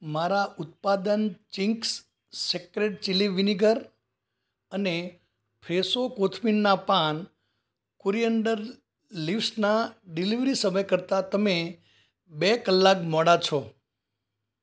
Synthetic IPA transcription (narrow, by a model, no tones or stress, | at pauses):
maɾaʔʊt̪̚pad̪ənt͡ʃiŋksː | ekɾeɖ̚t͡ʃiliʋiniɡəɾ | əne | pʰɾesokot̪ʰminːapan | koɾijəɳɖəɾ | liʋsnaɖiliʋɾisəməjkəɾt̪at̪əme | bekəlːakmɔɽat͡ʃʰɔ